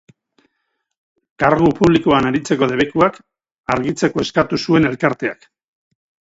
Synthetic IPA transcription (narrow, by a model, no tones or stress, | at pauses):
kaɾɣupuβlikoanaɾit͡se̞ko̞ðe̞β̞e̞kuak | aɾɣit͡se̞ko̞e̞skat̪usue̞ne̞lkaɾt̪e̞a̰k